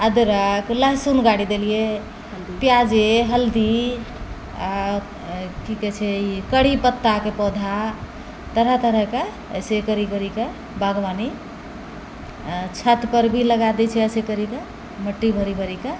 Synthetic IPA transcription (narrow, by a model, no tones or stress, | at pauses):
əd̪ɾəkləɦsunɡaɽid̪elije | pjad͡ʒeɦəld̪i | a | kiket͡ʃʰɛikəɽipət̪ːakepɔd̪ʱa | t̪əɾət̪əɾəke | ə̰sekəɾikəɾike | bʱəɡʋani | t͡ʃʰət̪pəɾbʱiləɡad̪ɛt͡ʃʰɛəsekəɾike | məʈːibʱəɾibʱəɾike